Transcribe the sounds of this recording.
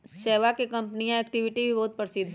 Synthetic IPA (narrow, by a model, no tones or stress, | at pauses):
ʃɛːʋakekɐ̃mpnijãeːk̚ʈɪʋɪʈibʱibɔɦʊt̪̚pɐɾsɪd̪̚ʱ